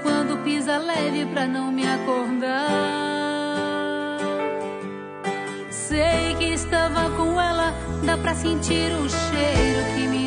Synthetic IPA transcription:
kwɐ̃d̪ʊpizɐlɛvɪpɾɐnɐ̃w̃mɪakoɾd̪a | sejkɪːst̪avɐkõw̃ɛlɐd̪apɾɐsẽt͡ʃiɾũʃejɾʊkɪmi

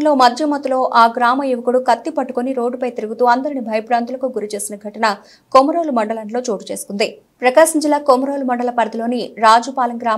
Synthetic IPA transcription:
nlo̞ːmɐd̪ʱjɐmɐt̪ulo̞ːʔaːɡɾaːmɐjuʋɐkuɽukɐt̪ːipɐʈːukoniɾo̞ːɖːupɐjt̪iɾuɡut̪uːɐnd̪ɐɾinibʱɐjɐpɾaːnt̪ulɐkuɡuɾit͡ʃe̞ːsinɐɡʱɐʈɐnɐ | komɐɾoːlumɐɳɖɐlɐɳʈlo̞ːt͡ʃoːʈut͡ʃe̞ːsu̥kund̪i | pɾɐkaːʃiɲd͡ʒilaːkomɐɾoːlumɐɳɖɐlɐpɐɾɐd̪ilo̞ːniɾaːd͡ʒupaːlɐŋɡɾaː

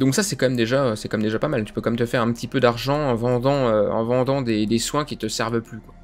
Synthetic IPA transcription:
d̪ɔ̃ksasɛkɑ̃mɛmd̪eʒaøsɛkɑ̃mɛmd̪eʒapamalt̪y̥pøkɑ̃mɛmt̪əfɛʁɛ̃pət̪ipød̪aʁʒɑ̃ːvɑ̃d̪ɑ̃øɑ̰̃vɑ̃d̪ɑ̃d̪ed̪eswɛ̃kʲit̪əsɛʁvəplykwa

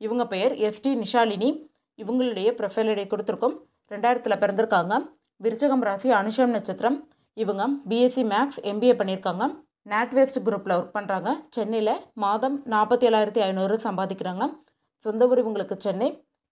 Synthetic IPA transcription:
ɪʋɐŋɡɐpɛjɐɾɛsʈinɪʂaːlɪni | ɪʋɐŋɡɐɭɯɽɐjɐpɪɾɐfɐlɐɽɐɪkːɔɽɯt̪ːɯɾɯkːɯm | ɾɛɳɖaːjɪɾɐt̪ːɪlɐpɪɾɐnd̪ɪɾɯkːaːŋɡɐ | ʋɪɾɯt͡ʃːɐɣɐmɾaːsiɐɳɯʂɐmnɐt͡ʃːɐt̪ːɪɾɐm | ɪʋɐŋɡɐbiesimaːksɛmbieːpɐɳːɪɾɯkːaːŋɡɐ | naːʈʋeːsʈɡɪɾuːpːlɐpɐɳraːŋɡɐt͡ʃɛnːɪlɐmaːðɐmnaːɾpːɐt̪ːiɛɾːaːjɪɾɐt̪ːiɐjɪnoːɾɯsɐmbaːðɪkʲːɪɾaːŋɡɐ | sɔnd̪ɐʋɯɾɪʋɐŋɡɐɭɯkːɯt͡ʃɛnːɐɪ

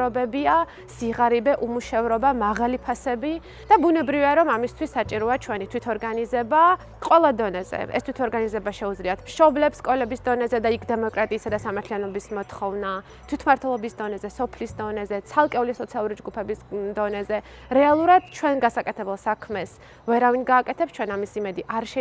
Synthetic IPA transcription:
ɾɔbɛbia | siʁaɾibɛʔumuʃɛvɾɔbamaʁalipʰasɛbi | d̪̥abunɛbɾiviaɾɔmamist̪ʰwisːat͡ʃʼiɾɔat͡ʃʰwɛnit̪ʰwit̪ʰɔɾɡanizɛba | qʼwɛlˠad̪ɔnɛzɛ̰ʔɛ̰st̪ʰwit̪ʰɔɾɡanizɛbaʃɛud̪zliat̪ʰmʃɔblɛpskʼɔlɛbisd̪ɔnɛzɛd̪aikʰd̪ɛmɔkʼɾat̪ʼiːsad̪asamaɾt̪ʰlianɔbismɔt̪χɔvna | t̪ʰwit̪ʰmaɾt̪ʰwɛlˠɔbisd̪ɔnɛzɛsɔpʰlisd̪ɔnɛzɛt̪sʰalˠkʼɛulisɔt̪sʰialˠuɾid͡ʒɡupʰɛbisd̪ɔnɛzɛ | ɾɛalˠuɾad̪̥t͡ʃʰwɛnɡasakʼɛt̪ʰɛbɛlˠsakʰmɛs | vɛɾavinɡaːkʼɛt̪ʰɛpst͡ʃʰwɛnamisimɛd̪iʔaɾʃɛ

